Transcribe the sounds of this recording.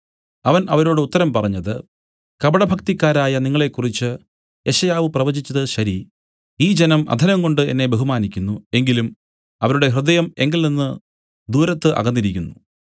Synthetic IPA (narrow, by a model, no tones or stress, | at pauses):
ɐʋɐnʔɐʋɐɾoːɽɨut̪ːɐɾɐmpɐrɐɲːɐðɨ | kɐbɐɽɐbʱɐkt̪ikʲːaːɾaːjɐniŋːɐɭe̞kːurit͡ɕːɨ | e̞ɕɐjaːʋɨprɐʋɐd͡ʑit͡ɕːɐðɨɕɐɾi | iːd͡ʑenɐmʔɐ̰d̪ʱɐnɐŋko̞ɳɖɨe̞nːe̞be̞ɦumaːnikʲːunːue̞ŋɡilum | ɐʋɐɾuɽe̞ɦrɨd̪ɐjɐme̞ŋɡilninːɨ | d̪uːɾɐt̪ːɨʔɐ̰ɣɐndːiɾikʲːunːu